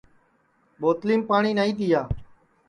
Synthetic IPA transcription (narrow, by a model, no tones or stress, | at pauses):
ɓoːt̪liːmpaːɳiːnaːĩːt̪iːjaː